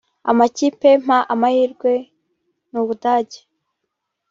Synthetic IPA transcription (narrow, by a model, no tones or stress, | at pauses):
a̰macipe̞m̥haʔamahiːɾɡwe̞ | nuβudaːɟe̥